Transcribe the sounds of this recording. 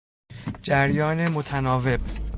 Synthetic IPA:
d͡ʒæɾjɒːnemot̪ʰænɒːve̞b̥

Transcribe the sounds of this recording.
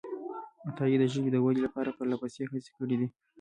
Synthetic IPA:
at̪ɑjid̪əʒəɡid̪əwalilapɑɾapəɾlapasexase̥kəɽid̪i

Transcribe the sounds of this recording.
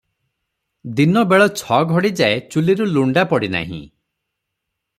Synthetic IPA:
d̪inɔbeɭɔt͡ʃʰɔɡʱɔɽid͡ʒaet͡ʃuliɾuluɳɖapɔɽina̰ɦḭ̃

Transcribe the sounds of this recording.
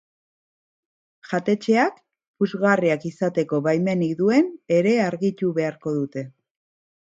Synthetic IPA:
ʝat̪e̞t͡ʃe̞ak | puzɣariakisat̪e̞ko̞βajme̞nikd̪ue̞ne̞ɾe̞aɾɣit̪uβe̞aɾko̞ð̞ut̪e̞

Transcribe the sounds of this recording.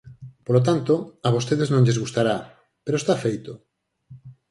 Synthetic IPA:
polot̪ant̪oaβost̪eðeznõŋʎezɣust̪aɾa | peɾoest̪afejt̪o

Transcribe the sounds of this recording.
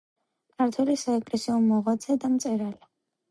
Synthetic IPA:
kʰaɾt̪ʰwɛlisaɛkʼlɛsiɔmɔʁat̪zʰɛd̪amt̪sʼɛɾali

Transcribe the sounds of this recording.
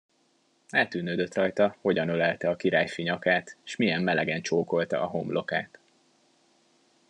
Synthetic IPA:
aːt̪ːyːnøːd̪ø̞t̪rɒjt̪ɒho̞ɟɒnølɛlt̪ɛɒkiɾaːjfiɲɒkaːt̪ːʃmijɛmːɛlɛɡɛnt͡ʃoːko̞lt̪ɒ̰ʔɒɦo̞mblʔo̞kaːt̪

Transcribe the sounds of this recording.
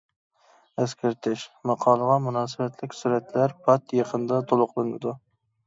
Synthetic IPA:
æskʲʰɪɾt̪ʰɪʃmɑqʰɑːlˠəʁɑmunɑːsɨbɛt̪lɪkʲsuɾɛt̪læɾpʰɑt̪jəqʰənd̪ɑt̪ʰolˠʊqlˠɨnɨ̰d̪u

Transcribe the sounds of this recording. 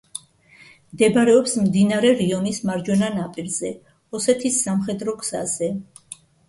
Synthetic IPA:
md̪ɛbɾɛɔpsmd̪inaɾɛɾiɔnismaɾd͡ʒwɛnanapʼiɾzɛ | ɔsɛt̪ʰisːamχɛd̪ɾɔɡʰsa̰zɛ

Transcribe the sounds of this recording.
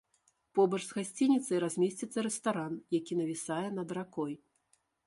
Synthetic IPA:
pɔbɐʐzɣasʲt͡sʲinʲit̪sɐjɾazʲmʲɛsʲt͡sʲit̪sːɐɾɛst̪aɾanjakʲinɐvʲisajɛnɐd̪ɾakɔj

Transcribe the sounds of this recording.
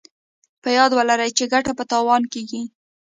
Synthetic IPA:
pəjɑd̪wəlaɾajt͡ʃeɡaʈapət̪ɑwɑnkeɡi

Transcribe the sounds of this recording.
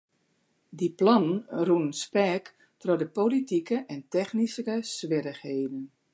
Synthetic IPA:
diplɔnənrunənspɛːk | trɔdəpolitikəʔɛntɛxnisəkəsʋɪɾəxheːdən

